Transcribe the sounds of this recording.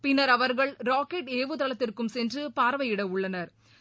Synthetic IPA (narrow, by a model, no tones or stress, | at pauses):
pɪnːɐɾɐʋɐɾɣɐɭɾaːkeʈeːʋɯt̪ɐɭɐt̪ːɪrkɯmsɛndrɯpaːɾʋɐjɪɽɐʊɭːɐnɐɾ